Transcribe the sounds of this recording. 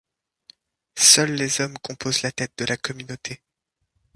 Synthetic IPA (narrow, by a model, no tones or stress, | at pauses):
sœlːezɔmkɔ̃pozlat̪ɛt̪̚d̪əlakɔmynot̪ʰe